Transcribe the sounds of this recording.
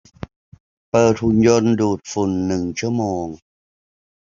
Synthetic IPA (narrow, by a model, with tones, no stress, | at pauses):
pɤː˨˩t̪̚hu˧˩njo˧nduː˨˩t̪̚fu˨˩nːɯ˨˩ŋt͡ɕʰu˥˩əmoː˧ŋ